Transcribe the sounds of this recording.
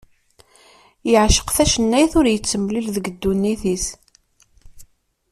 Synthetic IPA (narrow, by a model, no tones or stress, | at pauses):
jəʕʃə̥qθæʃənːæjθʊɾjət͡sːəmːlilðəɡəd̪ːunːiθis